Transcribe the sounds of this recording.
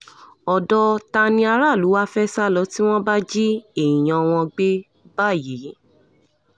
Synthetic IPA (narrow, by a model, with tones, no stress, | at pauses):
ɔ˨dɔ˧˦ta˧nĩ˧a˧ɾa˦˨lu˨˦wa˦fɛ˦sa˦˨lɔ˧˦ti˦w̃ɔ̃˦ba˦d͡ʒi˦e˦˨ĩ˨j̃ã˨w̃ɔ̃˧ɡ͡be˦ | ba˦˨ji˨˦